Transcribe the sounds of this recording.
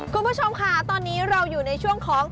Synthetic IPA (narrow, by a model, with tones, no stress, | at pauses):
kʰu˧nmpʰu˦˥t͡ɕʰo˧mkʰa˦˥˩t̪ɔː˧nːiː˦˥ɾa˧wjuː˨˩na˧jt͡ɕʰu˥˩əŋkʰɔː˩˦ŋ